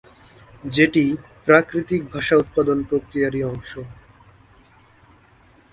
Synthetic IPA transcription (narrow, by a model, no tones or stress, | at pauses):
d͡ʑeʈipɾakɾit̪ik̚bʱaʃaut̪̚pad̪onpɾokɾijaɾiɔŋʃo